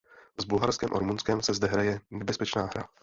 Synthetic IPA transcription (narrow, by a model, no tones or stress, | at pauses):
zbulɦaɾskɛːmʔo̰ɾmunskɛmsɛzdɛɦɾajɛnɛbɛspɛt͡ʃnaːɦɾa̰